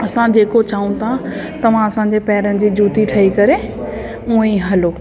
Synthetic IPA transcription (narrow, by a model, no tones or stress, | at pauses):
ɐsãd͡ʑeːkot͡ɕaːũt̪ʰa | t̪ɐʋ̤ãɐsãɲ̆d͡ʑepɛɦɪɾənɪ̆d͡ʑiːd͡ʑuːt̪iʈʰɐɦikɐɾe | ũːẽɦɐloː